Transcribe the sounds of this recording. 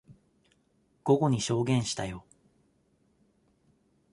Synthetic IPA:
ɡ̥o̞ɡo̞ɲ̟iɕo̞ːɡẽ̞ɰ̃ɕi̥t̪ajo̞

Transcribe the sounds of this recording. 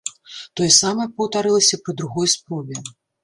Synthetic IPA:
t̪ɔjɛsamɐpɐwt̪aɾɨlˠɐsʲɐpɐd̪ɾuɣɔjspɾɔvʲɛ

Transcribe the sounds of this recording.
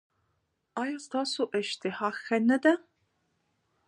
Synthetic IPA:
ɑːjast̪ʰaːsuːʔɐʃtʰiħaːxɐnɐd̪ɐ

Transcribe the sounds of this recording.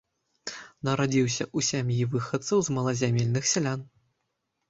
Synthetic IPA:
nɐɾad͡zʲiwsʲɐʔusʲamʲjivɨxɐt̪sɐwzmɐlˠɐzʲamʲelʲnɨxsʲalʲan

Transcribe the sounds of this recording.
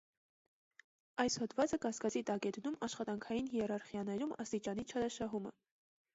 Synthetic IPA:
ɑjshɔd̪vɑt͡səkɑskɑt͡sit̪ɑkɛd̪numɑʃχɑt̪ɑŋkʰɑjinhiɛɾɑɾχjɑnɛɾumɑst̪it͡ʃɑnit͡ʃʰɑɾɑʃɑɦumə̰

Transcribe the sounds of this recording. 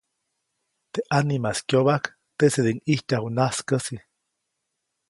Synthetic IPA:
t̪eʔanimaskjoβak | t̪esed̪eŋiht͡ʃahunaskəsi

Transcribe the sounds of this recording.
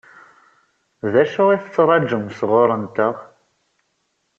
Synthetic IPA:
ðæʃʊʁiθət͡sːɾˤɑd͡ʒəmsʁoɾˤənt̪əʁ

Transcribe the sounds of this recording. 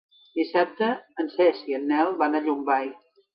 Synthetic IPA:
d̪isɛp̚t̪əːnsɛsiənːɛlˠβanaʎumbaj

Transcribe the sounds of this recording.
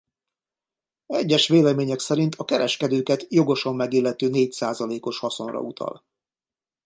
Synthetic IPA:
ɛɟːɛʃʋeːlɛmeːɲɛksɛɾint̪ʰɒkɛɾɛʃkɛd̪øːkɛt̪jo̞ɡo̞ʃɒmːɛɡiːlːɛt̪øːneːcsaːzɒleːko̞ʃhɒso̞nrɒ̰ut̪ʰɒ̰l

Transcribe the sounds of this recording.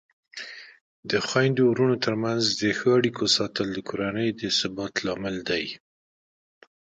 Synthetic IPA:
d̪əxwɑjnd̪ouɾunot̪əɾmanzd̪əxəaɽikʰosɑt̪əld̪əkʰoɾanəjd̪əsɪbɑt̪lɑmɪld̪aj

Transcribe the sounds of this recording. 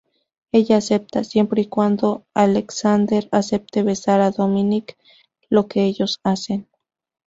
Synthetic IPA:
eʎaːsep̚t̪asjempɾeikʷand̪oaleksand̪eɾasep̚t̪eβesaɾaðominik | lokeejosasen

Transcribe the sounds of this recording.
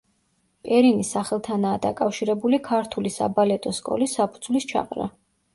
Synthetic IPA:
pʼɛɾinisaχɛlˠt̪ʰanaːd̪akʼafʃiɾɛbulikʰaɾt̪ʰulisa̰balɛt̪ʼɔskʼɔ̰lisːapʰud̪z̥vlist͡ʃʰa̰qʼɾa̰

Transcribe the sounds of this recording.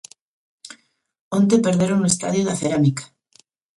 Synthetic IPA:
ont̪̬epeɾðeɾonoest̪a̰ðjoðaθeɾamikḁ

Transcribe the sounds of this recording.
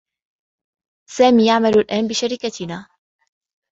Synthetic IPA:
saːmiːjaʕmalulʔæːnbiʃaɾiːkat̪ʰinaː

